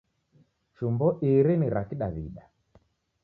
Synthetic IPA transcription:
t͡ʃumbɔʔiɾiniɾakiɗa̰βḭɗa

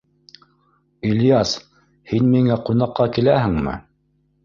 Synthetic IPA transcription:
ilʲjɑs | hinmiŋæqunɑqːɑkilæɦɘ̆ŋmɘ̰

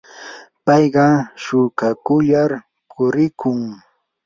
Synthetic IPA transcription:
pɑjɢɑʃʊkakʊʎaɾ | kʰʊɾɪkʰʊŋ

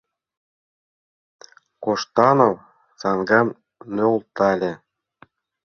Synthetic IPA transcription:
koʃt̪ɑnow | sɑŋɡɑn | nølˠt̪ɑlʲĕ

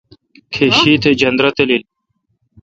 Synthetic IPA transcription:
kʰeɕiːt̪ʰed͡ʑɐnd̪ɾɐt̪elili

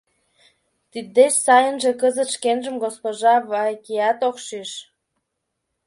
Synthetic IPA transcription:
t̪id̪ːeʃsɑjənʒĕkəzət̪ʃkenʒə̆mɡospoʒɑβɑkʲijɑt̪okʃiʃ

